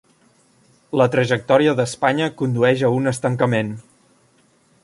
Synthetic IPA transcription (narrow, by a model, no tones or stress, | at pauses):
lət̪ɾəʒək̚t̪ɔɾiəðəspaɲəkund̪uɛʒəunəst̪əŋkəmen